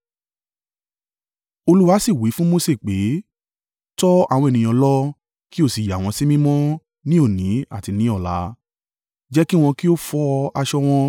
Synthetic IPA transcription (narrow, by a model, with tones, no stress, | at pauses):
o˧lu˦wa˦si˦˨wi˨˦fũ˦mo˧se˦˨k͡pe˨˦ | tɔ˦a̰˦˨w̃ɔ̃˧e˨nĩ˨j̃ɔ̃˧lɔ˦ | ki˦o˦˨si˨ja˨w̃ɔ̃˧si˦mĩ˦mɔ̃˦ | nĩ˦o˦˨nĩ˨˦a̰˦˨ti˧nĩ˨˦ɔ˦˨la̰˧˦ | d͡ʒɛ˦ki˦w̃ɔ̃˧ki˦o˦fɔ˦a˧ʃɔ˦w̃ɔ̃˧